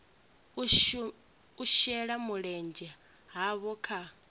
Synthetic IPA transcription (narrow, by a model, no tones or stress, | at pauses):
uʃɛɺamuɺɛnd͡ʒa | ɦaβɔkʰa